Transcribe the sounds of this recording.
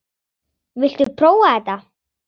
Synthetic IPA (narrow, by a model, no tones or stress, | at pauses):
vɪl̥t̪ʏpʰɾoːwaɛt̪a